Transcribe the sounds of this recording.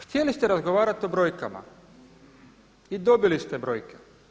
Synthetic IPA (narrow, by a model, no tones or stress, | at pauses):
xt̪ʲjelist̪eɾazɡoʋaːɾat̪o̞bɾo̞jkama̰ | id̪o̞bilist̪ebɾo̞jke